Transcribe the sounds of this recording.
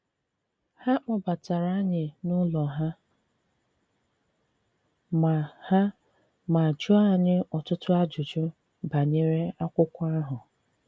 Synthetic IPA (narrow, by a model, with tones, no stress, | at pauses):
ha˦k͡pɔ˦ba˨ta˨ɾa˦ɲɪ˨nʊ˦lɔ˨ɦa˦ | ma˨ha˦ | ma˨d͡ʒʊ˦a˦˨ɲɪ˦ɔ˨tʊ˦tʊ˦a˦d͡ʒʊ˨d͡ʒʊ˦ | ba˨ɲe˦ɾe˦a˦kʷʊ˦kʷa˦ɦʊ˨